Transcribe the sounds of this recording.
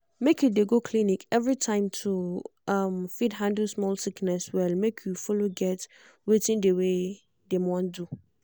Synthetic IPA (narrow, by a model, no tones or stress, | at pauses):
mekʰudeɡokʰlĩnĩkɛvɹitʰãɪ̃mtʰuʔãmfidɦãndlsmɔlsiknɛswɛlmekʰjufoloɡɛt | wetʰĩndewe | demɔ̃ndu